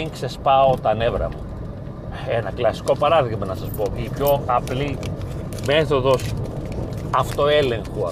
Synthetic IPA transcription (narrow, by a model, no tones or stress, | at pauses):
iŋksespɐot̪ɐne̞vɾɐ̰mu | enɐklɐsi̥ko̞pɐɾɐðiɣmɐnɐsɐspo̞ipço̞ɐpli | me̞θo̞ðo̞s | ɐft̪o̞e̞le̞ŋxoɐ